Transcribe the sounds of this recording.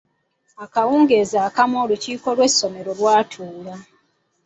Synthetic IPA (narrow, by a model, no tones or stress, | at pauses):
akawuːŋɡeːzaːkamo̞ːluciːko̞lwe̞sːo̞me̞ɾo̞lwaːtʰuːla